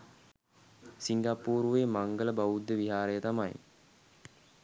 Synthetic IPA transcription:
siŋɡapuːɾuʋemaŋɡələbaʋud̪ːəʋiɦaːɾəjət̪amaj

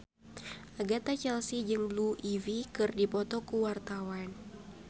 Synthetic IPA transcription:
ʔaɡat̪at͡ʃɛlsid͡ʒɨŋluʔivikɨrdipɔt̪ɔkuwart̪awan

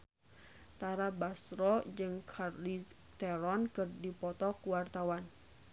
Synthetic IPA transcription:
t̪aɾabasɾɔd͡ʒɨŋkʰarli | t̪ɛɾɔnkɨrdipɔt̪ɔkuwart̪awan

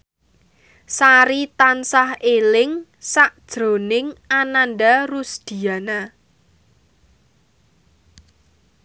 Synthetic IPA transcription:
saɾit̪ansahelɪŋ | saʔd̥ʒ̥ɾo̤nɪŋananɖarusd̪̥i̤ana

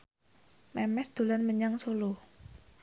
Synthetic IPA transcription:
mɛmɛsd̪̥ṳlanməɲaŋsolʊh

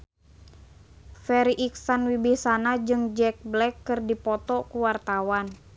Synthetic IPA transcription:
fɛɾiʔiksanwibihsanad͡ʒɨŋd͡ʒɛk̚blɛkːɨrdipɔt̪ɔkuwart̪awan

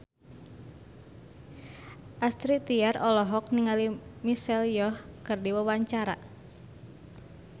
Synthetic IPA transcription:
ʔast̪ɾit̪iarɔlɔɦɔk̚niŋalimisɛljɔhkɨrdiwawaɲt͡ʃaɾa

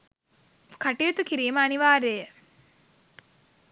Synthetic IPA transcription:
kaʈiut̪ukiɾiːməɐniʋaːɾeːjə

